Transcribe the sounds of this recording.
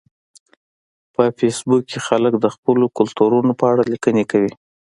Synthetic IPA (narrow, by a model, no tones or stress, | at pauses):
pəfesbukːexaləkd̪əxpəlokʊlt̪uɾunopəaɽalikənekawi